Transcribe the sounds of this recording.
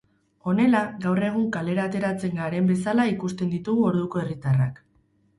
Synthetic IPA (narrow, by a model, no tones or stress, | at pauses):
o̞ne̞laɣawre̞ɣ̞uŋkale̞ɾaːt̪e̞ɾat͡se̞ŋɡaɾe̞mbe̞salaikust̪e̞nd̪it̪uɣuo̞ɾðuko̞e̞rit̪ara̰k